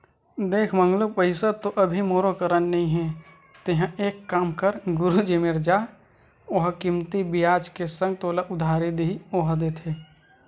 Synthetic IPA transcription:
d̪eːkʰmə̃ŋɡlopəɪsət̪oʔɐbʱimoːɾokəɾənnɐɦĩɦɛ | t̪eɦə̃eːkːaːmkəɾɡʊɾud͡ʒemeɾd͡ʒaː | oɦkimt̪ibijaːd͡ʒkesə̃ŋɡ̚t̪oːlaʔʊd̪ʱaːɾid̪iioːɦd̪eːt̪ʰeː

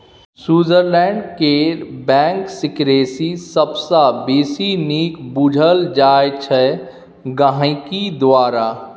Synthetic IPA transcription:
suːzəɾlɛ̃ːɳɖkebɛ̃ːŋksɪkɾeːsisəbsabiːsiniːkbud͡ʒʱəld͡ʒaːjet͡ʃʰɛ | ɡaɦãkid̪ʋaːɾaː

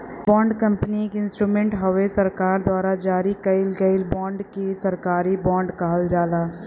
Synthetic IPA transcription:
bɔ̃ːɳɖkə̃mpnikeɪnsʈɾuːmẽɳʈɦəʋesəɾkaːɾd̪waːɾad͡ʒaːɾikɐɪlɡəɪlbɔ̃ːɳɖkesəɾkaːɾibɔ̃ːɳɖkaɦəld͡ʒaːlaː

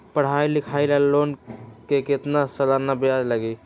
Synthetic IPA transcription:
pəɽ̤ajlikʰajlalonkeket̪nasəlaɾnabejad͡ʒləɡi

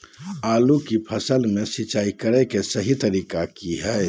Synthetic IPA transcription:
aːlukipʰəsəlmẽsɪt͡ʃaːikəɾɛkesəɦit̪əɾiːkakiɦɛː

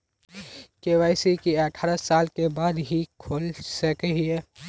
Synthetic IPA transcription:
keːʋaːɪsikiəʈʰaːɾəsaːlkebaːd̪ɦikʰoːlsəkɦiɛː

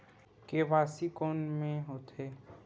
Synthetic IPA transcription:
keʋaːsikɔːnmẽɦoːt̪ʰeː

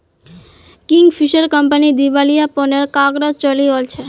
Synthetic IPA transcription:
kiŋɡfiʃəɾkəmpənid̪iʋalijapɔnelkaɡɾət͡ʃəliolt͡ʃʰe

